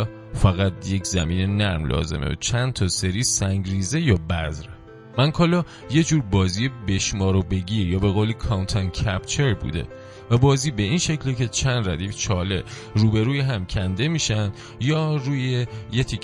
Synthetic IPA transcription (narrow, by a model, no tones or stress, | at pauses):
fæɣæt̪̚ʰje̞cʰzæmiːne̞næɾmlɒ̰ːzḛmḛt͡ʃʰænd̪t̪ʰɒːseɾiːsæŋɟɾiːze̞jɒːbæzɾe | mænkʰɒːlɒ | je̞d͡ʒuːɾbɒːziːjebe̞ʃmɒːɾobe̞ɟiːɾjɒːbe̞ɣoːlekʰɒwnt̪ʰæncʰæp̚t͡ʃʰe̞ɾbṵːd̪e̞̰ | væbɒːziːbe̞iːnʃe̞cʰlecʰe̞t͡ʃʰænd̪ɾæd̪iːft͡ʃʰɒːle̞ | ruːbe̞ɾuːjeɦæmcʰænd̪e̞miːʃænd̪ | jɒːɾuːjejet̪ʰe